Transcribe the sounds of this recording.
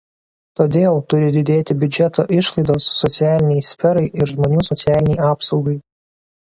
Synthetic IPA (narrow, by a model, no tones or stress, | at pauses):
t̪oːd̪ʲeːlˠt̪ʊɾʲɪd̪ʲɪd̪ʲeːt̪ʲɪbʲʊd͡ʒʲɛt̪oːʔɪʃlˠɐɪd̪oːsːɔt̪sʲɪæːlʲɪnʲɛɪsʲfʲɛɾɐɪʔɪɾʒmoːnʲuːsɔt̪sʲɪæːlʲɪnʲɛɪɑːpsɒʊɡɐɪ